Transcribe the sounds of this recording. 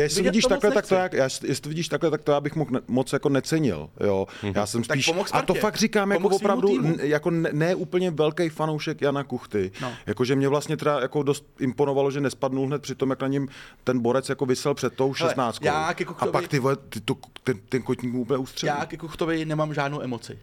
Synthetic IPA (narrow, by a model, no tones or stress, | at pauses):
jjɛsɪvɪɟiːʃt̪aklɛt̪ak̚t̪ojaːkjaːstjɛsɪt̪ovɪɟiːʃt̪aklɛt̪akt̪ojaːbɪxmoxnmot͡sjako̞nɛt͡sɛɲɪ̰ljojaːsɛmst̪iːʃmxsat̪ofakrɪkaːmjakovopɾavdujako̞nɛnɛːʔuːpl̩ɲɛvɛlkɛjfanowʃɛkjanakuxt̪ɪjakoʒɛmɲɛvlast̪ɲɛt̪ɛdajako̞do̞st̪̚ɪmpono̞valoʒɛnɛspadnulɦnɛt̪pr̥ɪt̪o̞mjaknaɲɛmt̪ɛnbo̞ɾɛt͡sjako̞vɪsɛlpr̥ɛt̪̚t̪ːo̞wʃɛssnaːt͡st̪koaːkɛkuxapakt̪ɪvɛt̪ɪt̪ot̪ɛnt̪ɛnkocɲiːkmuʔuːpl̩ɲɛust̪r̥ɛjaːkɛkuxt̪ovɪnɛmamʒaːdnowʔɛmot͡sɪ